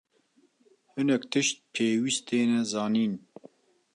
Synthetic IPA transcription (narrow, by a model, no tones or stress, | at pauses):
hɨnɛkt̪ʰɨʃt̪̚pʰeːwist̪eːnɛzɑːniːn